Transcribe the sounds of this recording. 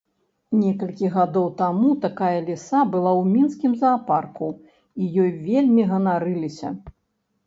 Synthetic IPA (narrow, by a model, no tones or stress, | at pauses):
nʲɛkɐlʲkʲiɣad̪ɔwt̪amut̪akajɐlʲisabɨlˠawmʲinskʲimzɐːparku | ijɔjvʲelʲmʲiɣɐnaɾɨlʲisʲɐ̰